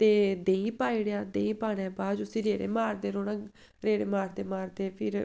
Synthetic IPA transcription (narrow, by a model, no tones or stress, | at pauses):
t̪eːd̪eːĩːpaːiɽjaːd̪eːĩːpaːɽɛːbaːd͡ʒʊsĩːɾeːɽḛːmaːɾd̪eːɾoːɽãː | ɾeːɽeːmaːɾd̪eːmaːɾd̪eːpʰɪɾ